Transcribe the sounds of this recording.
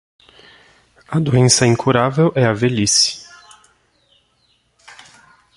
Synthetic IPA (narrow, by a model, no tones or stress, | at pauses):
ɐd̪uẽsɐĩŋkʰuɾavewʔɛɐvelisi̥